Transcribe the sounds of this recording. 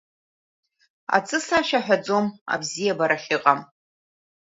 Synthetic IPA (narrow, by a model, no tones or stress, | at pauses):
a̰t͡sʼɨsaʃaħᶣad͡zo̞ma̰bzijabaɾaχiqʼam